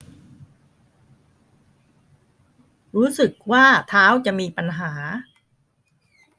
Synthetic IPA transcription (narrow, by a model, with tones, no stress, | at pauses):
ɾuː˦˥sɯ˨˩k̚waː˥˩t̪ʰaː˦˥wt͡ɕa˨˩ʔmiː˧pa˧nɦaː˩˦